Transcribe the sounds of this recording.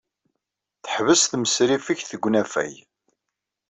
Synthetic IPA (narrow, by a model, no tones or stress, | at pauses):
θə̥ħvəsθməsɾifiçθəɡʷːnæfæ̰j